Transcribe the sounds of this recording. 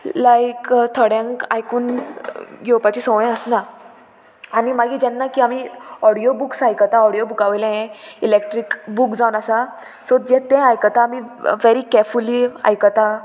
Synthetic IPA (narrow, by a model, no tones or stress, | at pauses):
lajkt̪ʰəɽjãŋka̰jkuːn | ɡʱewpat͡ɕisɔ̃ʋjɛ̃əsna | animaɡid͡ʑɛnːakiːamiɔɽijobuksajkət̪aɔɽijobukaʋjlẽẽilek̚ʈɾikbukd͡zaʋunasa | sod͡ʑẽt̪ɛ̃ajkət̪aːmiʋeɾikɛɾfulia̰jkət̪a